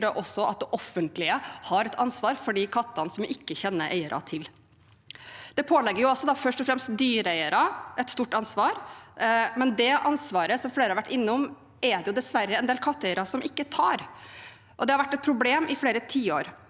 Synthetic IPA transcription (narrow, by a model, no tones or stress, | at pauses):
d̪ɛʔɔsːɔʔɑ̰t̪̚d̪ɛʔɔfənt̪lɪəhɑɾɛt̪ɑnsʋɑːɾfɔɖiːkʰɑt̪ːɑnsɔmjʔɪkːəçɛnːəʔæ̰ɪəɾʔɑ̰t̪ʰɪl | d̪̥ɛpʰoːlɛɡːəɾjʊɑlsɔd̪ɑfœʂʈɔfɾɛmst̪̚d̪yːɾæɪəɾɑʔɛt̪st̪uːʈɑnsʋɑːɾ | mɛnd̪ɛʔɑnsʋɑːɾəsɔmfleːɾəhɑɾʋæʈːɪnːəɔm | ɛd̪ɛjʊd̪ɛsʋæɾːəɛnd̪eːlkʰɑt̪ːæɪəɾɑsɔmʔɪkːət̪ʰɑːɾ | ʔɔd̪ɛhɑɾʋæʈːɛt̪̚pʰɾʊbleːmʔɪfleːɾət̪ʰiːo̰ːɾ